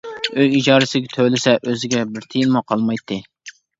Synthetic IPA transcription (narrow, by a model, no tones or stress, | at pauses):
øjid͡ʒɑːɾɪsɪɡʲɛt̪ʰølɪsɛʔøzɪɡʲɛbɪɾt̪ʰijinmuqʰɑlˠmɑjt̪ʰːɨ